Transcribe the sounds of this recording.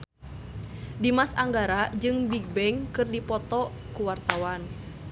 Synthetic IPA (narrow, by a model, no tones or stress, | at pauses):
dimasaŋɡaɾad͡ʒɨŋbiɡ̚bɛŋkɨrdipɔt̪ɔ | kuwart̪awan